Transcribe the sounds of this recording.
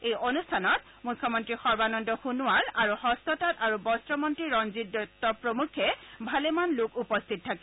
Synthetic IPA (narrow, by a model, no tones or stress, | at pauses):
ejʔonustʰanɔt | mukʰːɔmɔntɹixɔɹbanɔndɔxunuaɹaɹuhɔstɔtataɹubɔstɹɔmɔntɹiɹɔnzitːɔtːɔpɹomukʰːɛbʱalɛmanlʊkupɔstʰit̚tʰːakɛ